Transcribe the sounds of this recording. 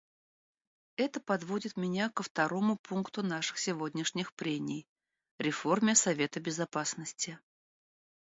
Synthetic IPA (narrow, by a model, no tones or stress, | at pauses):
ɛt̪əpɐd̪vodʲɪt̪mʲɪnʲakəft̪ɐɾo̞mʊpunkt̪ʊnaʂɨ̥xsʲɪvodʲnʲɪʂnʲɪxpɾʲemʲɪj | ɾʲɪfo̞rmʲɪsɐvʲe̞t̪əbʲɪzɐpasnəsʲtʲɪ